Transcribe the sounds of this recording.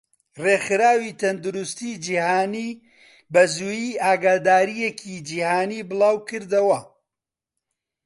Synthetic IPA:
reːxɨɾaːwiːt̪ʰɐnd̪uɾust̪iːd͡ʒihaːniː | bɐzuːjiːʔaːɡaːd̪aːɾijekʰiːd͡ʒihaːniːbɨlˠaːwkɨɾd̪ɐwɐ

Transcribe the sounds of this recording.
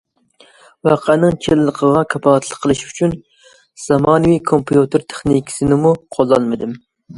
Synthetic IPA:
wɑqʰænɨŋt͡ʃʲʰellˠəqʰəʁɑkʰɑpʰɑt̪ʰlˠəqʰːəlˠɨʃyt͡ʃʰyn | z̥ɑmɑːnɨwikʰompʰijut̪ʰɨɾt̪ʰe̥χnikʲʰi̥sɪnɪmuqʰolˠːɑlˠmɨd̪ɪm

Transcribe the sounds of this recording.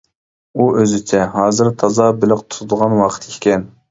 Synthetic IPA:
uʔøzɪt͡ʃʰɛɦɑːzɨɾt̪ʰɑzɑbɪlɪqt̪ʰu̥t̪ʰʊd̪əʁɑnwɑqʰə̥t̪ʰikʲkʲɛn

